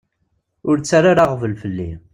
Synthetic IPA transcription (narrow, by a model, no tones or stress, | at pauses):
ʊɾt͡sːaɾaɾaʁvəlfəlːi